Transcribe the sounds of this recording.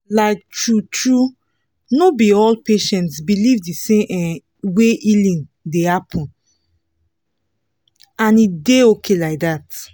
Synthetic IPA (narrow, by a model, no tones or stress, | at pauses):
laɪk̚tɹutɹu | nobiɔlpeʃɛ̃ntsbilivdiseʔɛ | weʔilĩndehapʰɔ̃n | ãnideokʰelaɪk̚ðat